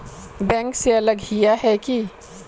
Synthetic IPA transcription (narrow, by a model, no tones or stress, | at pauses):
bɛ̃ːŋkseɐləɡɦijaɦɛki